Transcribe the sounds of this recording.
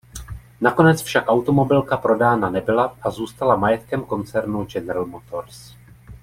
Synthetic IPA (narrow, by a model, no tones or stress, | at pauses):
nako̞nɛt͡sfʃakʔawt̪o̞mo̞bɪlkapɾo̞daːnanɛbɪlaʔazuːst̪alamajɛt̪kɛmko̞nt͡sɛɾnud͡ʒɛnɾɛlmot̪ʰo̞ɾs